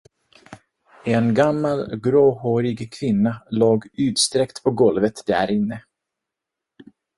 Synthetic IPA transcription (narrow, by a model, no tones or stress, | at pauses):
ɛnɡamːalɡɾoːhoɾɪɡkʰvɪnːaloːɡʉ̟ːt̪st̪ɾɛkt̪pʰɔɡɔlvət̪d̪æ̰ɾɪnːə